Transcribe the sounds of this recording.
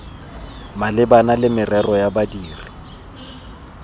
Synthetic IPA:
malɪbanalɪmɪrɛrɔjabadiːri

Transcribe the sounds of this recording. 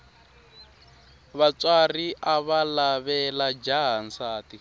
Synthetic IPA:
βat͡swariʔaβalaβɛlad͡ʒaɦant͡saːti

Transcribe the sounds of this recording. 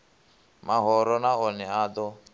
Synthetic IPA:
maɦɔɾɔnaɔnɛaːd̪ɔ

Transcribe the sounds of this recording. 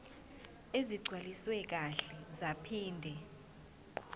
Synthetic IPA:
eziɡ͡ǀʱwaliswɛk̬aɬɛzapʰiːndʱɛ

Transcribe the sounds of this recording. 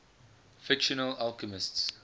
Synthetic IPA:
fɪkʃɔnəlalkəmɪsts

